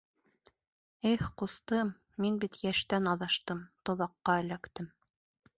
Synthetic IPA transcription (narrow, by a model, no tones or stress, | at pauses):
eχqust̪ɤmː | inbit̪jæʃt̪ænɑðɑʃt̪ɤmt̪ŏðˠɑqːɑɘ̆lækt̪ɘm